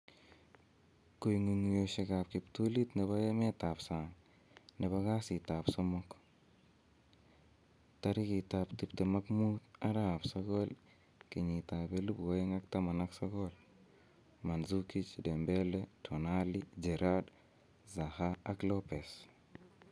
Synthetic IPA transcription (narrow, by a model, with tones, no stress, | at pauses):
ko˨jŋu˨ŋ˨jo˨ʃe˨ɡa˨p̚ki˨pto˦li˦tne˨ba˦je˦me˦ta˨psa˨ŋ | ne˨ba˦ɡa˦si˨ta˨pso˦mo˦k | taɾi˦ki˨ta˨pti˨pte˨ma˦kmu˦t̪a˦ɾa˨pso˦ɡo˦l | ki˨ɲi˨ta˨be˦lu˦bwo˦i˦ŋa˦kta˦ma˨na˦kso˦ɡol | ma˨nzuki˦t͡ʃde˨mbe˦letʰo˨na˦lid͡ʒe˨ɾa˦d | za˨ha˦a˦klo˦pe˨s